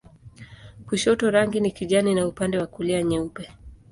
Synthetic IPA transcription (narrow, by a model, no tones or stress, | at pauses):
kuʃɔtɔɾaŋɡinikiʄaninaupandɛwakuliaɲɛupɛ